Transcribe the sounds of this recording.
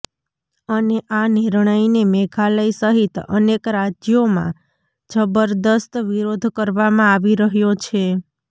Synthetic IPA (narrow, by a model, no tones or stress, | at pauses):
əneʔaniɾɳ̃əinemeɡʰaləisəɦit̪ə̰nekɾad͡ʒjomã̰ | t͡ʃʰəbəɾd̪əst̪ʋiɾod̪ʱkəɾʋamãaʋiɾəɦjot͡ʃʰe